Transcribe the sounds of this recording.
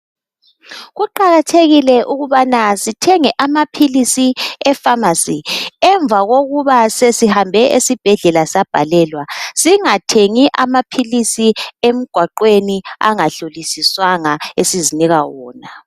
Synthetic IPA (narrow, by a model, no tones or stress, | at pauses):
ɣuǃaɣatʰeɣilɛʔuɣuβanasitʰɛŋɛʔamapʰilisiɛfamasiɛɱvaɣoɣuβasesihambʱɛʔesib̥ʱɛɮɛlasab̥ʱa̰lɛːlwasiŋatʰeŋiʔamapʰilisiem̩ɡ̥ʱwaǃwenia̰ŋaɬolisiswaŋaesiziniɣawɔːna